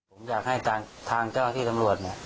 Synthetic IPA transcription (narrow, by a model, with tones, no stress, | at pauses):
pʰo˩˦mjaː˨˩k̚ha˥˩jt̪ʰaː˧ŋt̪ʰaː˧ŋt͡ɕaː˥˩wt̪ʰiː˥˩t̪a˧mɾu˨˩ət̪̚ni˦˥˩ə